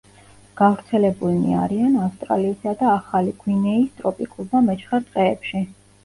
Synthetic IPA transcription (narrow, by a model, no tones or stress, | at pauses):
ɡ̥avɾt̪sʰɛlɛbulnḭa̰ɾianafst̪ʼɾa̰lisad̪aːχaliɡ̥winɛist̪ʼɾɔpʼikʼulˠbamɛt͡ʃʰχaɾt̪ʼqʼɛːpʃi